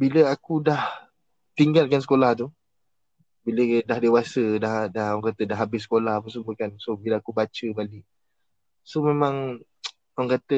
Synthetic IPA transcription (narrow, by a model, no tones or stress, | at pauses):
biləakudah | t̪iŋɡalkansə̥kolaht̪̬u | bilədahdewasədahdahɔŋkat̪ədaɦabɪs̬ə̥kolahapəs̬umbəkansobiləakubat͡ʃəbalɪʔ | somemãŋ | aŋkat̪ə